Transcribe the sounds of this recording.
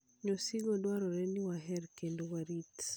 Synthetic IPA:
ɲosiɡɔdwaɾɔɾɛniwaɦɛɾkendowaɾit̪

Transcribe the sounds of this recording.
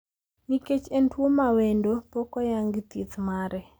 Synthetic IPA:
ŋiket͡ʃentwomawendopokɔjaŋɡt̪it̪maɾɛ

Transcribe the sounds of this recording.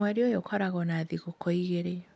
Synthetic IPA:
aɾeojokʰɔɾaɣɔnaðiɣokɔiɣeɾe

